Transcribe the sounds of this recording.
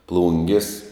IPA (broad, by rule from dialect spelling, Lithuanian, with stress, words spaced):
ˈplˠʊŋʲɡʲɪs